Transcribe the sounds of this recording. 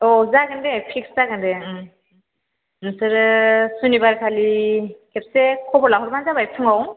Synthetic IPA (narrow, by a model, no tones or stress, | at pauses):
ɔzaɡɯndepʰik̚szaɡɯndɛɯ | nɯsɯɾsunibaɾkʰalikʰɛp̚sekʰɔbɔɾlaɦɔɾmanzabajsʰɯŋaw